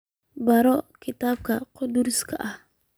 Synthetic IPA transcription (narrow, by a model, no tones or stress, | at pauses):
baɾɔkit̪ab̚kaqoduɾskʰa̰ʔa